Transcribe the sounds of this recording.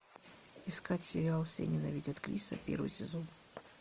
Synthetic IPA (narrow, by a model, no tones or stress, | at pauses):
iskatʲsʲɪbʲaɐlˠsʲḛnʲɪnɐvʲidʲət̪kɾʲisɐ̰pʲḛrvɨ̰jsʲɪzon